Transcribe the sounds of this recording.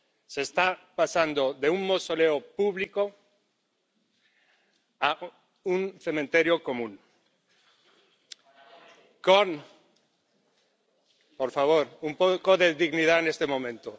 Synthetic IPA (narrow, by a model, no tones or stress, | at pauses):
seːst̪apasand̪oðeuŋmosoleopuβliko | a | unθemẽnt̪eɾjokomũn | koŋ | poɾfaβ̞oɾumpokoðeðiɣniðaenest̪emõmẽnt̪o